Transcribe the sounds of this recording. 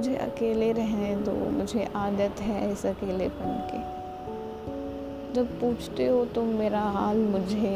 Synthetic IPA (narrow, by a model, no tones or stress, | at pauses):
ʊd͡ʒʱḛʔɐ̰keːleɾɛɦẽt̪o̰mʊd͡ʒʱeʔaːd̪ət̪ɦɛɪsɐkeːlepɐɳke | d͡ʒɐb̚puːt͡ʃʰt̪eɦot̪omeːɾaɦaːlmʊd͡ʒʱe